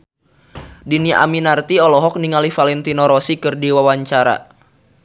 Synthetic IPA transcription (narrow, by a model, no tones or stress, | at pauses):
dinia̰minart̪iɔlɔɦɔk̚niŋalifalɛnt̪inɔɾɔsikɨrdiwawaɲt͡ʃaɾa̰